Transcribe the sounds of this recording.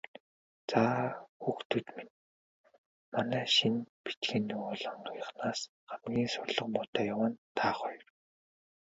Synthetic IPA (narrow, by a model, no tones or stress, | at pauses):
t͡saːxuːxt̪ʰŭt̪min | manæːʃinpi̥t͡ɕɡĕnːuʊːɮə̆ɴɔjə̆χnaːs | χamɡʲiːnsʊrɮɞ̆qmʊt̪aːjawə̆nt̪ʰaːχɔj̆r